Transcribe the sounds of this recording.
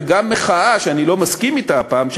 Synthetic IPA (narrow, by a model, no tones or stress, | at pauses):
ɡamːeχaaʃeanilo̞maskimit̪apaːmʃ